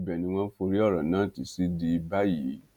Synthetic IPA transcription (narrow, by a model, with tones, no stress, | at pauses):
bɛ˨nĩ˧w̃ɔ̃˦fo˧ɾi˦ɔ˦˨ɾã˨nãː˨˦˨ti˨si˦di˧ba˦ji˨˦